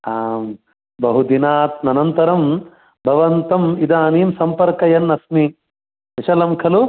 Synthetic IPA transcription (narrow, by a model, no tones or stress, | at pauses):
aːm | bɐɦud̪inaːt̪̚nɐnɐnt̪ɐɾɐm | bʱɐʋɐnt̪ɐmid̪aːniːmsɐmpɐɾkɐjɐnːɐsmi | ʋiʃɐlɐmkʰɐlu